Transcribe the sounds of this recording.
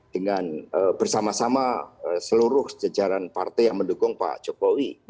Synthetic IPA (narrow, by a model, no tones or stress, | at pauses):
d̥əŋanəbərsamasamaəsəluɾʊhd͡ʒad͡ʒaɾanpa̰rt̪ɛjaŋməndukʊŋpa̰d͡ʒokowi